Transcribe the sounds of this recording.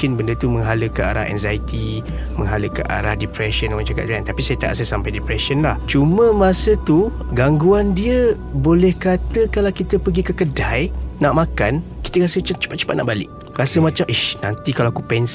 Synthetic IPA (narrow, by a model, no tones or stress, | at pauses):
kɪnbəndət̪uməŋɦaləkəʔa̰ɾa̰ʔɛ̰ŋzajit̪i | məŋɦaləkə̰ʔa̰ɾahdipɾɛʃənŋat͡ʃakat̪̚d͡ʒaant̪apisajət̪a̰ʔsɛsːampajdipɾɛʃənlaht͡ʃumə̃mãsət̪uɡaŋɡuandiə | bolɛhkat̪əkalawkit̪əpəɡikəkədajnaʔmakanki̥t̪ərasət͡ʃat͡ʃə̥pat̪̚t͡ʃə̥pat̪na̰ʔbalɪ̰ʔ | rasəmat͡ʃamʔihnant̪ikalaakupɛns